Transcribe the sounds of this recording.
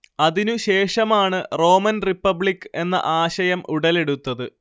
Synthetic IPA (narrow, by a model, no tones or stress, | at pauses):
ɐðinuɕe̞ːʂɐmaːɳɨro̞ːmɐnripːɐbɭikːɨe̞nːɐ̰ʔaːɕɐjɐmuɽɐle̞ɽut̪ːɐðɨ